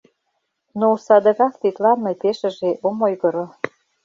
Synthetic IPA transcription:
nosɑd̪ɤ̆ɣɑkt̪it̪lɑnĕpeʃə̆ʒeʔomojɣɤ̆ɾo

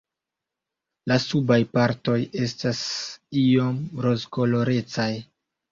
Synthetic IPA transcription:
lasubajpaɾto̞je̞stasio̞mɾo̞zko̞lo̞ɾe̞t͡saj

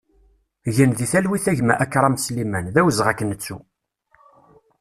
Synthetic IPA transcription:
ʝənðiθælwiθæʝmæ̰ʔækːɾˤɑmslimænðæwəzʁækːənːət͡sːṵ

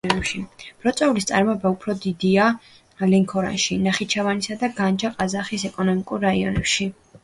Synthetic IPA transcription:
ɛmʃib̥ɾɔt̪sʼɛulist̪sʼa̰ɾmɔɛbaupʰɾɔd̪id̪ia | lɛŋkʰɔɾa̰nʃinaχit͡ʃʰavanisad̪aɡand͡ʒaqʼazaχisɛkʼɔnɔmikʼuɾːaiɔ̰nɛ̰pʃi

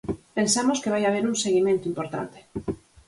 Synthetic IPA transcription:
pẽnsamoskeβ̞ajaβ̞eɾuŋseɣimẽnt̪oimpoɾt̪a̰nt̪e̥

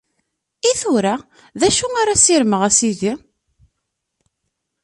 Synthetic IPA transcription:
iθʊɾa | ðæʃuaɾasiɾməʁæsiði

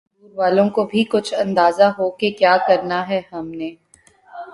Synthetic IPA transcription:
uːɾʋaːlõkobʱikʊt͡ʃʰɐ̃nd̪aːzaɦokekjaːkɐɾnaɦɛhɐmneː

